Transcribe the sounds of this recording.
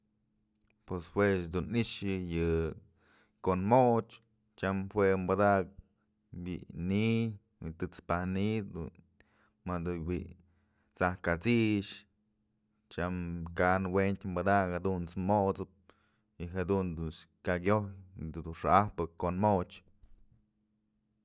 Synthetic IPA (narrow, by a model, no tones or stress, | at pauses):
pweshweʃd̪uniʔʃɨjɨ | konmot͡ʃ | t͡ʃamhwembad̪ak̚ | bḭʔni | wit̪ɨt͡spahnid̪ṵn | mad̪uwiʔ | t͡sahkat͡siʃ | t͡ʃamkanwent̪ʲmbad̪akhad̪unt͡smot͡sɨp̚ | iɦad̪und̪unskaɡʲojd̪d̪uʂaahpɨkonmot͡ʃ